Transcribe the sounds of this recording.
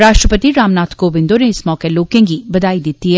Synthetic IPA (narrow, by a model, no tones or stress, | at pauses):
ɾaːʃʈɾəpət̪iɾaːmnaːt̪ʰkobɪ̃nd̪oneɪsmɔːkeloːkẽŋɡibɐd̪aːid̪ɪt̪iɦɛ